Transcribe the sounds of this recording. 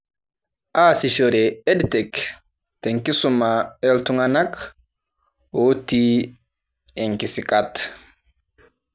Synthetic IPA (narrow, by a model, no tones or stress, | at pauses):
ʔaːsɪʃɔɾɛɛd̪t̪ɛk | t̪ɛŋkːɪsʊmːɐɛlt̪ʊŋɐnɐk | oːt̪ːi | ɛŋkɪsɪkʼɐt̪ː